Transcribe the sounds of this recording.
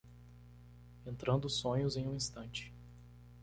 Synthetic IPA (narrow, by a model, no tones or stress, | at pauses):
ẽnt̪ɾɐ̃nd̪ʊsõɲʊzẽj̃ũĩst̪ɐ̃nt͡ʃɪ̥